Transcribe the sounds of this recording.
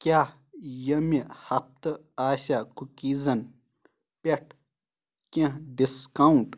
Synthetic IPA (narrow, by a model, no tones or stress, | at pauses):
kʲjaː | jɐmihɐp̚t̪ɨ | aːsakukiːzɐn | pʲeʈ̚ʰ | kʲẽɖiskauɳʈ